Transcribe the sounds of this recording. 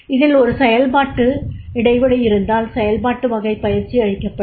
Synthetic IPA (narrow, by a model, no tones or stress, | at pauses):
ɪðɪlɔɾɯsɛjɐlmaːʈːɯɪɽɐɪʋɐɽɐjɪɾɯnd̪aːlsɛjɐlbaːʈːɯʋɐɣɐɪpːɐjɪɾt͡ʃːiɐɻɪkːɐpːɐ